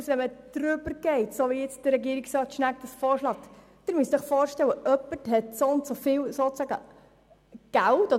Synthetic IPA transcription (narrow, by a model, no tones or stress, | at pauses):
sʋɛməd̪̥ɾʏbəɾɡ̥ɛɪtsoʋiɪt͡sd̥əɾɛɡiəɾiksɾɑːt̪ʃnæk̚d̥əsfɔːɾʃlɑːt | d̥ɪnmyəsdəχfɔːɾʃtɛlwəʔœpːəthɛtsontsofɪːwsot͡sæɡə̰ | ɡ̥æltɔ